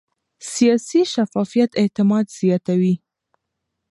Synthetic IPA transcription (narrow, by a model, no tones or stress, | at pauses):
sijɑsiʃafɑfijat̪et̪ɪmɑd̪z̥jɑt̪awi